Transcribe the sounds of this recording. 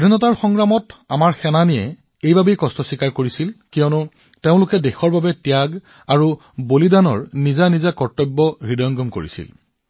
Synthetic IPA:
ɹinɔtaɹxɔŋɡɹamɔta̰maɹxɛnanijɛ | ejbabejkɔstɔsikaɹkoɹisilkijɔnʊ | teʊ̃lʊkɛdexɔɹbabɛtjaɡ | aɹu | bolidanɔɹnizanizakɔɹtɔbːɔɹidɔjɔŋɡɔmko̰ɹḭsḭl

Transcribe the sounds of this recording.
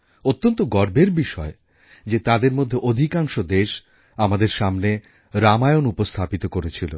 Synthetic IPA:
ot̪ːont̪oɡɔɾbeɾbiʃɔe | d͡ʑet̪ad̪eɾmod̪ʱːeʔod̪ʱikaŋʃod̪eʃ | amad̪eɾʃamne | ɾamajonupost̪ʰapit̪okoɾet͡ɕʰilo̰

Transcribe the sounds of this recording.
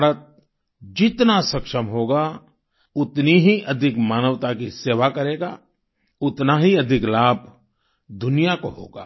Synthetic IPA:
aɾət̪̚ | d͡ʒɪt̪nasɐkʃəmɦoːɡa | ʊt̪niɦiʔɐd̪ʱɪkmaːnəʋt̪akiseːʋakɐɾeːɡa̰ː | ʊt̪naɦiɐd̪ʱɪklaːb̚ʱ | d̪ʱʊnijakoɦo̰ːɡa̰ː

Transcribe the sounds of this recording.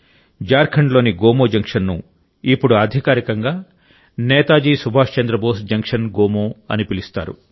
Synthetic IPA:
d͡ʒaːɾkʰɐɳlo̞ːniɡoːmoːd͡ʒɐŋkʂɐnːṵ | ipːuɽuɐd̪ʱikaːɾikɐŋɡaː | nɛːt̪aːd͡ʒiːsubʱaːʂt͡ʃɐnd̪ɾɐboːsd͡ʒɐŋkʂɐnɡoːmoːɐ̰nipilist̪a̰ːɾṵ

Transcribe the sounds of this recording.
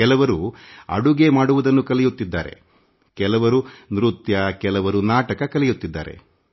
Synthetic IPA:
kɛlɐʋɐɾuɐ̰ɽuɡemaːɽuʋɐd̪ɐnːukɐlɛjut̪ːid̪ːa̰ːɾe̞̰ | kɛlɐʋɐɾunɾut̪jɐkɛlɐʋɐɾunaːʈɐkɐkɐlɛjut̪ːid̪ːa̰ːɾḛ

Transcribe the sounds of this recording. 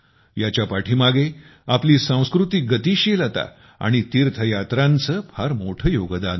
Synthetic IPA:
jat͡ɕjapaʈʰiːmaɡeapliːsãw̃skɾut̪iɡət̪iːɕilat̪a̰ | a̰ɽ̃it̪iːɾt̪ʰəjat̪ɾãnt͡səpʰaɾmoʈʰəjoɡd̪an

